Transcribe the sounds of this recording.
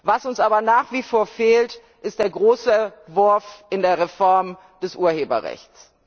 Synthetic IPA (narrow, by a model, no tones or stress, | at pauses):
vasʊnsʔaːbɐnaːχv̥ifoːɐfeːlt | ʔɪstd̥eːɐɡʁoːsəv̥ʊɐfʔɪndeːɐʁefɔɐm | d̥ɛsʔuːɐheːbɐ̰ʁɛ̰çt͡s